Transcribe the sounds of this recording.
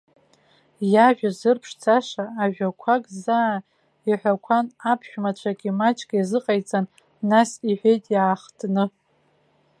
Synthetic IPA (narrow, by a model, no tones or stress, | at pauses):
jaʒᶣazɨrpʰʂt͡sʰʼaʂaːʒᶣakʷʰakʼzaː | iħʷᶣakʷʰanapʰʃᶣmat͡ɕʷʰakʲʼimat͡ʃʼkʲʼjazɨqʼajt͡sʼanː | asiħʷᶣejtʼjaːχtʰnɨ